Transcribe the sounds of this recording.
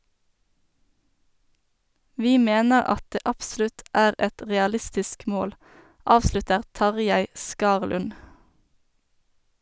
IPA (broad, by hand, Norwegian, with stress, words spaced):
ˈʋiː ˈmeːnəʁ ˈɑt ˈdeː ˈɑpˌslʉt ˈæːʁ ˈɛt ˌʁɛɑˈlɪstɪsk ˈmoːl ˈɑːʋslʉtəʁ ˈtɑʁˌjæɪ ˈskɑːʁlʉn